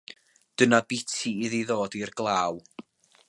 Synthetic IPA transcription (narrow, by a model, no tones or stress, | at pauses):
d̥ənabɪtʰiɪðiðoːdirɡlˠaːw